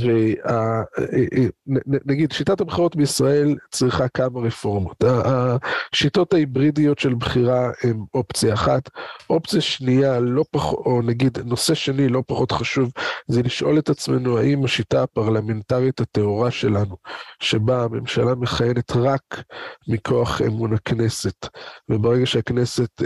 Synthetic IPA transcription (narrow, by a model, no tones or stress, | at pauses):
vea | nnnaɡidʃitatabχiʁo̞tbeisʁae̞lt͡sʁiχakamaʁefo̞ʁmotaːʃito̞thaibʁidijo̞tʃe̞lbχiʁaemo̞pt͡siaːχatʔo̞pt͡sijaʃnijalo̞paχoonaɡid̪no̞seʃenilo̞paχo̞t̪χaʃuvzeliʃʔo̞le̞tat͡sme̞̰nuaʔimaʃitaːpaʁlame̞ntaʁithate̞ɦoʁaʃe̞lanuʃe̞baːme̞mʃalame̞χajene̞t̪ʁakmikʰo̞aχḛmunakne̞se̞tvebeʁeɡaʃeakne̞se̞t